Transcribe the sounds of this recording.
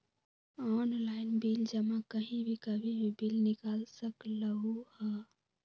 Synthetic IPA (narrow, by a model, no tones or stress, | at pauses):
ɔːnlaːɪnbild͡ʒəmãkəɦĩbʱikəbʱibʱibilnɪkaːlsəkləɦuhɛ